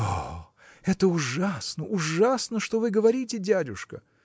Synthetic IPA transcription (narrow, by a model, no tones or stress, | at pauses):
o | ɛt̪əʊʐasnəʔʊʐasnəʂt̪o̞vɨɡəvɐɾʲitʲɪdʲædʲʊʂkə̰